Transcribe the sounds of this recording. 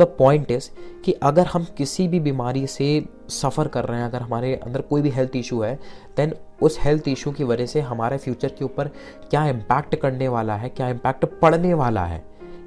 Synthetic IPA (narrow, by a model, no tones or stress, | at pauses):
d̪ɐpɔ̃ːɪ̃ɳʈɪzkiʔɐɡəɾɦɐmkɪsibʱibiːmaːɾise | sɐfəɾkɐɾːɐɦɛ̃ɐɡəɾɦɐmaːɾeʔɐ̰̃nd̪əɾkoːibʱiɦɛlt̪ʰɪʃuɦɛd̪̥ɛ̃nʊshɛlt̪ʰɪʃũkiʋɐd͡ʒəɦseɦɐmaːɾefjuːt͡ʃəɾkeuːpəɾ | kjaːɪ̃mpɛːk̚ʈkɐɽneʋaːlaɦɛkjaːɪ̃mpɛːk̚ʈpɐɽneʋaːla̰ɦɛ̰ː